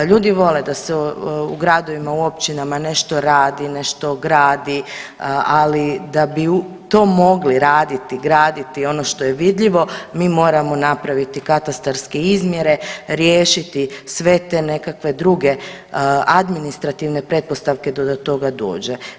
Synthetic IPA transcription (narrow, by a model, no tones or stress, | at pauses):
ʎuːd̪iʋo̞led̪aseuɡɾad̪o̞ʋimauo̞pt͡ʃinamane̞ʃt̪o̞ɾaːd̪ine̞ʃt̪o̞ɡɾaːd̪i | alid̪abiu | t̪o̞ːmo̞ɡliɾaːd̪it̪iɡɾaːd̪it̪io̞no̞ʃt̪o̞jeʋid̪ʎiʋo̞miːmo̞ːɾamo̞napɾaʋit̪ikat̪ast̪aɾske̞izmje̞ɾe̞ɾjeːʃit̪isʋe̞t̪e̞ne̞kakʋe̞d̪ɾuɡe̞ | ad̪minist̪ɾat̪iʋne̞pɾe̞t̪̚po̞st̪aʋke̞d̪od̪ot̪o̞ɡad̪o̰ːd͡ʑe